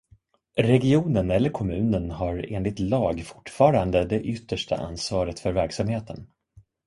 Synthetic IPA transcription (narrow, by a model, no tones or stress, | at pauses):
ɾɛɡɪuːnənɛlːəɾkʰɔmʉ̟ːnənɦaɾeːnlɪt̪lɑːɡfʊ̥ʈːfɑːɾand̪əd̪ɛʔʏt̪ːəʂʈʰa̰ʔa̰nsvɑːɾət̪fœɾvæɾksamheːt̪ʰən